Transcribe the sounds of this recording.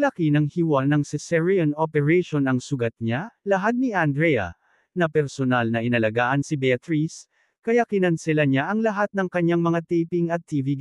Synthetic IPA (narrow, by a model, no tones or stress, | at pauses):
lɐkinɐŋhɪwanɐŋsɛsɛɹiɐnopɛɹɛjʃonɐŋsʊɡɐt̪̚ɲalɐɦad̪̚niɐnd̪ɾɛjɐ̰ | nɐpɛɾsonalnɐʔɪnɐlɐɡaːʔɐnsɪbɛɐt̪ɾis | kɐjakɪnɐnsɪlaɲaʔɐŋlɐɦat̪̚nɐŋkɐɲaŋmɐŋat̪ɛjpiŋɐt̪ːiːviɡ